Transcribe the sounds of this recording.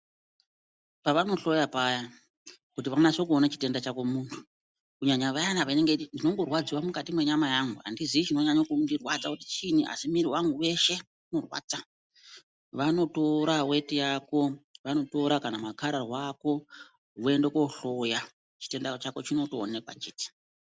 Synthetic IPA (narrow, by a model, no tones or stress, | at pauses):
paʋano̞ɬo̞japaja | kutiʋanat͡ʃokuonat͡ʃi̥te̞ndat͡ʃako̞muntʰu̥ | kuɲaɲaʋajanaʋaineŋɡendino̞ŋɡo̞rwad͡ziwamukatimwe̞ɲamajaŋɡua̰ndiziit͡ʃino̞ɲaɲakundirwad͡zakuti̥t͡ʃiniʔa̰simiɾiwaŋɡuwe̞ʃe̞ | uno̞rwa̰d͡za | ʋano̞to̞ɾawe̞tijako̞ʋano̞to̞ɾakanamakaɾarwako̞ | ɦue̞ndeko̞ɬo̞ja | t͡ʃi̥te̞ndat͡ʃako̞t͡ʃino̞to̰ːnekwa̰t͡ʃiːti̥